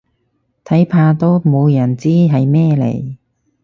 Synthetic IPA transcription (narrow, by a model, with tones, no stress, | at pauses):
t̪ʰɐ˨˥jpʰaː˧t̪o˥wmo˨˧wjɐ˨˩nt͡siː˥ɦɐ˨jmɛː˥lḛ˨˩j